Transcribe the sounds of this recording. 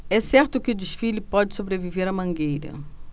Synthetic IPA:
ɛsɛɾt̪ʊkɪʊd͡ʒiʃfilɪpɔd͡ʒɪsobɾeviveɾɐmɐ̃ŋɡejɾɐ̰

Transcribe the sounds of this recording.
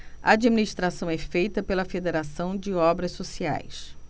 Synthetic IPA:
ɐ̰ad͡ʒiminiʃt̪ɾasɐ̃w̃ɛfejt̪ɐpelɐfed̪eɾasɐ̃w̃d͡ʒɪɔbɾɐssosia̰js

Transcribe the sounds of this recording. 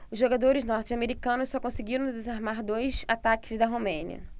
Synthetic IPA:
ʊzʒoɡad̪oɾɪznɔɾt͡ʃameɾikɐ̃nʊsɔkõsɪɡiɾɐ̃w̃d̪ezaɾmaɾd̪ojsat̪akɪzd̪ɐɦomẽnḭɐ̰

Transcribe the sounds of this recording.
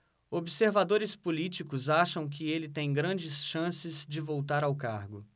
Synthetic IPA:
obɪseɾvad̪oɾɪspolit͡ʃikʊzaʃɐ̃w̃k̬ɪelɪt̪ẽj̃ɡɾɐ̃d͡ʒɪsʃɐ̃sɪzd͡ʒɪvowt̪aɾawkaɾɡʊ

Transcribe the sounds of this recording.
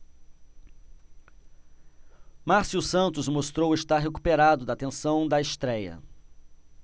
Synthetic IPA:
maɾsiusɐ̃nt̪ʊzmost̪ɾowest̪aɾɦekupeɾad̪ʊd̪ɐat̪ẽsɐ̃w̃d̪ɐest̪ɾɛjɐ̰

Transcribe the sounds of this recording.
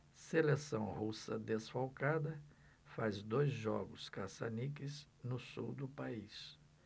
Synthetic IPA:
selesɐ̃w̃husɐ̰d̪esfawkad̪ɐ | fazd̪ojzʒɔ̰ɡʊskasanikɪznʊsṵwd̪ʊpais

